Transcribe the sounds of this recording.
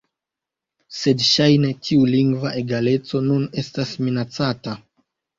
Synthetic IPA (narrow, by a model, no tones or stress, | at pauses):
se̞dʃajne̞tʰiuliŋɡvaʔe̞ɡale̞t͡so̞nune̞stasminat͡sata